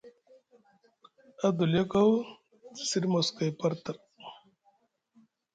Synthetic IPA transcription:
a˦d̪u˨lje˦ka˦w | si˦ɾmo˨ska˨jpɐ˦ɾt̪ə˨ɾ

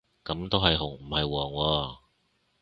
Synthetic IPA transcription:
kɐ˨˧˥mt̪o˥wɦɐ˨jɦʊ˨˩ŋm̩˨˩hɐ˨jwɔː˨˩ŋwɔː˧

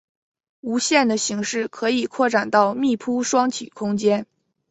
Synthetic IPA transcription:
u˧˥ɕjɛ˥˩nd̪ə˩ɕi˧˥ŋʂɻ̩˥˩kʰɤ˧˥i˨˩kʰwɔ˥˩ʈ͡ʂa˨˩nt̪ɑ˥˧ʊmi˥˩pʰu˥ʂwɑ˥ŋt͡ɕʰy̰˨˩kʰʊ˥ŋt͡ɕjɛ˥n

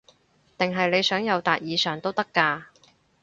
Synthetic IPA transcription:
t̪ɪ˨ŋɦɐ˨jle˨˧jsœː˨˥ŋjɐ˨˧wt̪aː˨˩t̚jiː˨˧sœː˨˩ŋt̪o˥wt̪ɐ˥kːaː˧

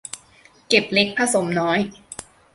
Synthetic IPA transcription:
ke˨˩p̚le˦˥k̚pʰa˧so˩˦mnɔː˦˥j

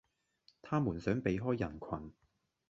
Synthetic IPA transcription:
t̪ʰaː˥muː˨˩nsœː˨˥ŋpe˨˧jɦɔː˥jːɐ˨˩nkʰɐ˨˩n

